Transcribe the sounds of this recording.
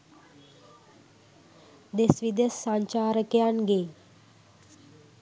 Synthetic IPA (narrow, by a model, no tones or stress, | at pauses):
d̪esʋid̪esːãɲt͡ɕaɾəkjanɡe